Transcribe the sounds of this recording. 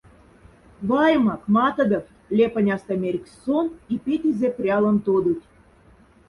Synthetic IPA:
βɑjəmɑkmɑt̪ɤ̆d̪ɤ̆f | lʲepə̆nʲɑst̪ɤmʲeɾʲkʲsonipʲet̪ʲizeprʲɑlə̆mt̪od̪ut̪ʲ

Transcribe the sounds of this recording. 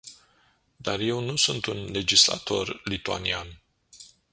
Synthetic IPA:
d̪arje̞wnusunt̪unle̞d͡ʒisla̰t̪o̞rlit̪ua̰nian

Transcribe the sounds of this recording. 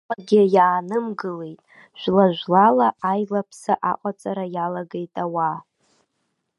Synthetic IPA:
aɡʲɪjaːnɨmɡɨle̞jtʼ | ʃᶣʷlaʒᶣʷlalaajlapʰsaʔaqʷʼat͡sʼaɾajalaɡejtʼawa

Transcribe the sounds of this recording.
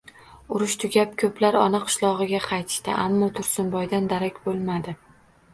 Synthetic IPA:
ʊɾʊʃt̪ʰʊɡʲapkʲʰɵplaɾɒnɨqʰɨ̥ʃlˠɒʁɨɡʲaqʰɑjt̪ʰɪ̥ʃt̪ɪ̰ʔamːɒt̪ʰʊɾsʊnbɒjd̪and̪aɾakʲbolˠmad̪ɪ

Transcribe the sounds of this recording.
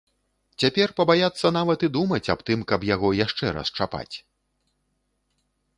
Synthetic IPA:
t͡sʲapʲɛrpɐbajat̪sːɐnavɐt̪ɨd̪umɐt͡sʲapt̪ɨmkɐbjaɣɔjaʂt͡ʂɛɾɐ̰st͡ʂapa̰t͡sʲ

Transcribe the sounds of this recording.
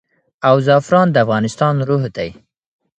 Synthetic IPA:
awzɑfɾɑnd̪əafɣɑnɪst̪ɑnɾuɦd̪aj

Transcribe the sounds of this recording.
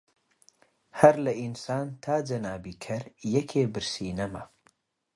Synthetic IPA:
hɐɾlɐʔinsaːnt̪ʰaːd͡ʒɐnaːbiːkʰɐɾjɛkʰeːbɨɾsiːnɐmɐ

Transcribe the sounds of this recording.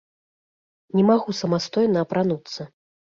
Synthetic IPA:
nʲɛmaɣusɐmast̪ɔjnɐːpɾanut̪sːɐ

